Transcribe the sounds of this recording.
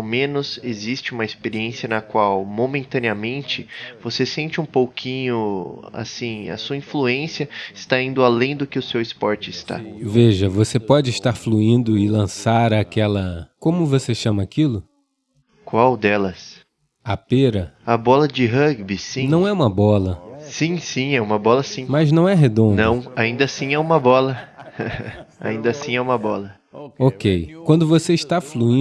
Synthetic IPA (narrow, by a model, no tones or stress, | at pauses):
awmẽnʊzezist͡ʃɪũmɐɪspeɾiẽsiɐnɐkwawmomẽnt̪ɐ̃niɐmẽnt͡ʃɪvosesẽnt͡ʃɪũpowkʰĩɲʊa̰sĩɐ̰suɐĩfluẽsiɐɪst̪aĩnd̪ʊalẽj̃d̪ʊkɪʊsewɪspɔɾt͡ʃɪɪst̪a̰veʒɐvosepɔd͡ʒɪːʃt̪aɾfluĩnd̪ʊɪlɐ̃saɾakɛlɐkõmʊvoseʃɐ̃mɐːkilʊ | kwawd̪ɛlɐs | apeɾɐabɔlɐd͡ʒɪɦɐɡbisĩnɐ̃w̃ɛũmɐbɔlɐsĩsĩɛũmɐbɔlɐsĩmɐznɐ̃w̃ɛɦed̪õnd̪nɐ̃w̃aĩnd̪ɐsĩɛũmɐbɔlɐ | a̰ĩnd̪ɐsĩɛũmɐbɔlɐ | okejkwɐ̃nd̪ʊvoseiʃt̪afluĩ